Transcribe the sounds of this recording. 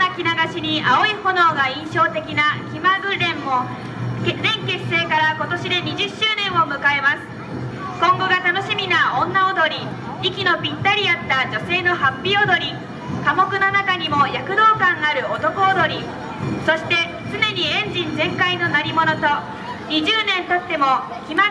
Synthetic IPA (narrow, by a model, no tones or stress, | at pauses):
akʲinaɡaɕiɲ̟iao̞iho̞no̞ːɡaĩɰ̃ɕo̞ːt̪e̞kʲinakʲimaɡɯ̟ɾẽ̞mːo | zẽ̞ŋke̞̥se̞ːkaɾako̞t̪o̞ɕid̪e̞ɲ̟iʑɨɕːɨːnẽ̞ɰ̃o̞mɯ̟kae̞masɨ̥ | kõ̞ŋɡo̞ɡat̪ano̞ɕimʲinaõnːaod̪o̞ɾʲi | ikʲinopʲit̪ːaɾʲiat̪ːad͡ʑo̞se̞ːno̞ɦapʲːiod̪o̞ɾʲi | kamo̞kɯ̟nonakaɲ̟imo̞jakɯ̟d̪o̞ːkãŋaɾɯ̟ot̪o̞kod̪o̞ɾʲi | so̞ɕi̥t̪e̞ | t͡sɨne̞ɲ̟iẽ̞ɲ̟d͡ʑĩnd͡zẽ̞ŋkaino̞naɾʲimo̞no̞t̪o̞ | ɲ̟iʑɨːnẽ̞nt̪at̪ːe̞mo̞ | kʲima